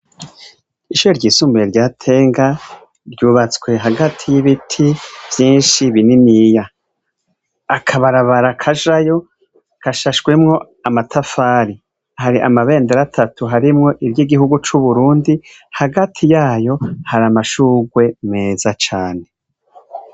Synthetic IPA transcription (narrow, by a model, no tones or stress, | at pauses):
iʃuɾeɾɟiːsuːmbejeɾɟaːtʰe̞ːŋɡa | ɾɟuːβat͡swe̞ɦaɡatʰijiβitʰiv̥jiːnʃiβininija | kʰaβaɾaβaɾakʰaʒajo̞ | kaʃaʃɡwemŋo̞ | amatʰafaːɾi | haɾiʔa̰maβe̞ːndeɾatʰatuɦaɾimŋo̞ʔiɾjiɡiɦuɡut͡ʃuβuɾuːndi | haɡatʰijaːjo̞haɾamaʃuɡwe̞me̞ːzat͡ʃaːne̞